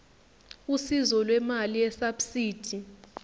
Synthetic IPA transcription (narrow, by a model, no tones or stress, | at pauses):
usizɔlwɛmalijɛsabsiːd̥ʰʱi